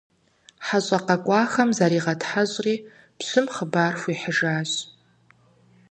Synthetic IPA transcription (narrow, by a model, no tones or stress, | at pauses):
ħaɕʷʼaqʼakʷʼaːxɐmzaɾiːʁatʰħaʑʷʼriː | pʰsʷɨmχəbarχʷiħəʐaːɕʷ